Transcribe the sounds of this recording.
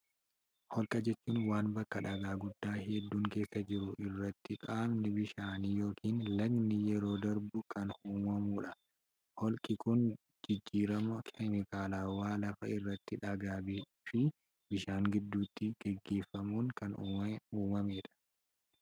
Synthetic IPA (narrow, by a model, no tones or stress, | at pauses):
hɔlkʼɐd͡ʒɛt͡ʃːuːnwaːnbɐkːɐᶑɐɡaːɡʊd̪ːaːɦɛd̪ːuːŋke̞ːsːɐd͡ʒɪɾʊʔɪrːɐt̪ːɪkʼaːbnɪbɪʃaːniːjo̞ːkiːnlɐɡnɪjɛɾo̞ːd̪ɐɾbʊkɐnhuːmɐmuːᶑɐ | hɔlkʼɪkʊn | d͡ʒɪd͡ʒːiːɾɐmɐkʰɛmɪkaːlaːwaːlɐfɐɪrːɐt̪ːɪᶑɐɡaːbɪ | fɪ | bɪʃaːŋɡɪd̪ːuːt̪ːɪɡ̥ɛɡːeːfːɐmuːŋkɐnuːmɐmeːᶑɐ̥